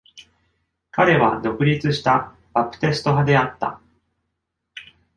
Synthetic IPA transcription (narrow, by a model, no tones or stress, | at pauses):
kaɾe̞βa̰d̪o̞kɯ̟ɾʲit͡sɨɕi̥t̪a | b̥apɯ̟̥t̪e̞sɨ̥t̪o̞ɦad̪e̞at̪ːa̰